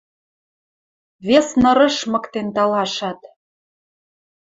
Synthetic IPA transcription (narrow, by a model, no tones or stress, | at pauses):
βesnɤ̆ɾɤ̆ʃmɤ̆kt̪ent̪ɑlɑʃɑt̪